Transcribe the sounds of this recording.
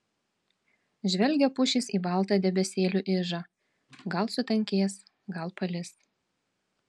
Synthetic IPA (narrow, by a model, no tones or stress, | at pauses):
ʒʲʋʲɛlʲɡʲɛpʊʃʲɪˑsiːbɑˑlˠt̪ɑːd̪ʲɛbʲɛsʲeːlʲuʔɪʒɑ | ɡɐlˠsʊt̪ʲɐŋʲkʲeːs | ɡɐlˠpɐlʲɪs